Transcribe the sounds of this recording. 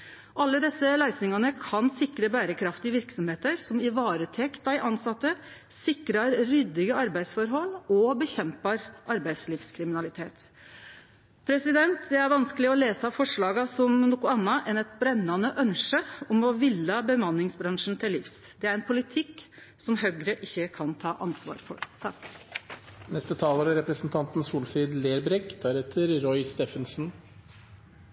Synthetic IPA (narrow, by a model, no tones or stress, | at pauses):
ʔɑlːəd̪ɛsːəlæɪsnɪŋɑnəkʰɑnsɪkɾəbæːɾəkʰɾɑft̪ɪʋɪɾksɔmheːt̪əɾsɔmɪʋɑːɾət̪ʰɛkt̪ɑɪʔɑnsɑt̪ːə | sɪkɾɑɾɾʏd̪ɪɡəɑɾbæɪsfɔɾɦɔlːɔbəçɛmpɑɾʔɑɾbæɪd̪sliːfskʰɾɪmɪnɑlɪt̪ʰeːt̪ | pʰɾɛsɪd̪ɛnt̪d̪ɛæɾʋɑnskəlɪɔleːsɑfɔʂɭɑːɡɑsɔmnuːkʊɑnːɑʔɛnɛt̪bɾɛnːɑnəʔœnʂəɔmɔʋɪlːɑbəmɑnːɪŋsbɾɑŋʂn̩t̪ʰɪlːɪfs | d̪ɛæɾɛnpʰʊlɪt̪ʰɪkː | sɔmɦœɡɾəʔɪçːəkʰɑnt̪ʰɑːʔɑnsʋɑ̰ːɾfɔ̰ɾt̪ʰɑk | nɛst̪ət̪ʰɑːləɾɑɾɛpɾəsn̩t̪ʰɑnt̪n̩suːlfɪd̪leːɾbɾɛkd̪æɾɛt̪ʰəɾɾɔʏst̪eːfənsn̩